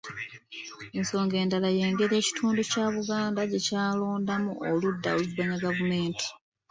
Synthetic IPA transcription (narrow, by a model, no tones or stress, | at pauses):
enso̞ːŋɡe̞ːndalaje̞ːŋɡe̞ɾe̞ːci̥tʰuːnducaːβuɡaːndaɟe̞caːlo̞ːndamuʔoludːaoluviβaɲaɡavume̞ːnti̥